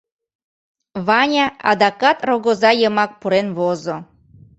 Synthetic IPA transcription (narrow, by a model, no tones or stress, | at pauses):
βɑnʲɑɑ̰d̪ɑkɑt̪roɣozɑjəmɑk̚puɾenβozo